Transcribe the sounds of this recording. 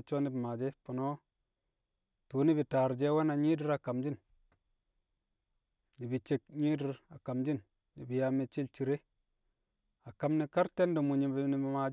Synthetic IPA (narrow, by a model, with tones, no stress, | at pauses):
t͡ʃo˦ni˦bi˨maː˨d͡ʒe˦po˨no˦ | tuː˨˦ni˦bi˨taː˨ɾd͡ʒe˦we˦na˨ɲi˦di˦ɾa˨ka˨md͡ʒi˦n | ni˨bi˨t͡ʃe˨k̚ɲi˦di˦ɾa˨ka˨md͡ʒi˦n | ni˨bi˨ja˨me˨t͡ʃi˦lt͡ʃi˨ɾe˦ | a˨ka˦mni˦ka˦ɾte˦ndo˨mu˨ɲi˨bni˦bi˨ma˨d͡ʒ